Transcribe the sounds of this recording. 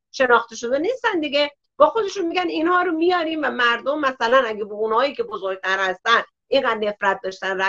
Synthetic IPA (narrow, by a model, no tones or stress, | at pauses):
ʃe̞nɒːxt̪eʃod̪enist̪ænd̪iɡe̞ | b̥ɒːxo̞d̪e̞ʃunmiɡɟæninhɒːɾomijɒːɾiːnvæmæɾd̪omːæsælænæɡebounhɒːjiːkʲʰe̞bozoɾɡ̚t̪ʰæɾhæst̪æn | ʔiŋɡæd̪ne̞fɾæt̪̚d̪ɒːʃt̪ænræ